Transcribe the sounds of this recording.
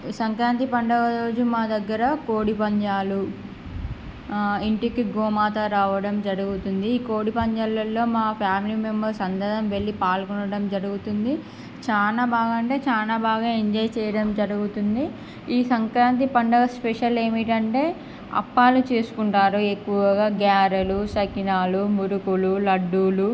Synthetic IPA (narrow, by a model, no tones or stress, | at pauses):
sɐŋkɾaːnt̪ipɐɳɖɐʋɐɾo̞ːd͡ʒumaːd̪ɐɡːɐɾɐko̞ːɽipɐɲd͡ʒaːlu | iɳʈikiɡoːmaːt̪ɐɾaːʋɐɽɐmd͡ʒɐɾuɡut̪und̪iːko̞ːɽipɐɲd͡ʒaːlɐlːo̞ːmaːpʰjaːmiliːmembɐɾsɐnd̪ɐd̪ɐmʋe̞ɭːipaːlkɔnɐɽɐmd͡ʒɐɾuɡut̪und̪i | t͡ʃaːnaːbaːɡaɐɳʈe̞ːt͡ʃaːnaːbaːɡaːiɲd͡ʒɐjt͡ʃɛːjɐɽɐmd͡ʒɐɾuɡut̪und̪i | iːsɐŋkɾaːnt̪ipɐɳɖɐɡɐspeʂɐle̞ːmiʈɐɳʈe̞ː | ɐ̰pːaːlut͡ʃeːsu̥kuɳʈaːɾuekːuʋɐɡaːɡaːɾɐlusɐkinaːlumuɾukululɐɖːuːlu